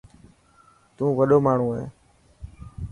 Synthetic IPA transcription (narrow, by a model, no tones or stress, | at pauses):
t̪ũːʋəɗoːmaːɳ̤ũːɦḛː